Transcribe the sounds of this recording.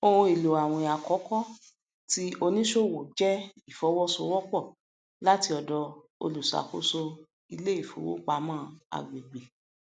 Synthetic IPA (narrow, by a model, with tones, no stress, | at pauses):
o˧õ˧˦i˨lo˨a˨w̃ɛ̃˧a˨kɔ˨˦kɔ˦ | ti˧o˧nĩ˦ʃo˦˨wo˨d͡ʒɛ˦i˦˨fɔ˨˦wɔ˦so˧˦wɔ˦k͡pɔ˦˨ | la˦ti˧ɔ˨dɔ˧ | o̰˧lu˨sa̰˨ko̰˨˦so˧ | i˧le˦i˦˨fo̰˨˦wo̰˦k͡pa˧˦mãː˦˨˧a̰˧˨ɡ͡be˨ɡ͡be˨